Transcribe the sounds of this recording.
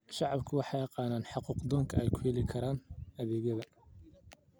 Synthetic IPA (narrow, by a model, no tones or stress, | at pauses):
ʃɑʕɑbkʰʊwɑħɑjɑqɑːnaːnħɑquːqd̪ɔːŋkʰɐɛjkʰʊjɛlɪkʰɐɾaːnɐðɛːɣjɐðɐ